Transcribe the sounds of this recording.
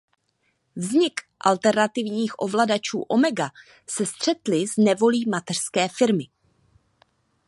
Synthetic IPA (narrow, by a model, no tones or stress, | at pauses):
vzɲɪk | ʔalt̪ɛɾnat̪ɪvɲiːxʔo̞vladat͡ʃṵːʔo̞mɛɡa | sɛst̪r̝̥ɛt̪lɪznɛvo̞liːmat̪ɛr̥skɛːfɪɾmɪ